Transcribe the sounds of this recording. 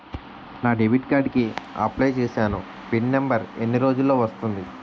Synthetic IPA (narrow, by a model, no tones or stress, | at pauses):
naːɖeʋiʈkaːɖkiɐ̰plejt͡ʃeːsaːnu | piɳnembɐɾenːiɾo̞ːd͡ʒulːo̞ːʋɐst̪und̪i